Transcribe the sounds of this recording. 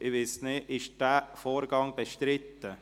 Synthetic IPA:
ʔɪʋɪsneɪʃd̥æːfoːɾɡɑŋb̥eʃtɾɪt̪ːə

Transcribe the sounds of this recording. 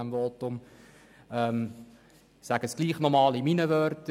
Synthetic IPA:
ɛmvoːtʊm | ɛm | sæɡ̥əsɡ̥liːχnɔmɑːliminəvœɾtə

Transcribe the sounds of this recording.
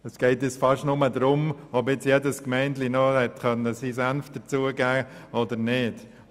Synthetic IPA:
əsɡ̥ɛɪtɪt͡sfɑʃtnʊmədɾʊmɔbɪt͡sjɛdəskmɛɪntlinɔhɛtkœnːəsisanft̚d̥ət͡suəɡæːʔɔdənɪd

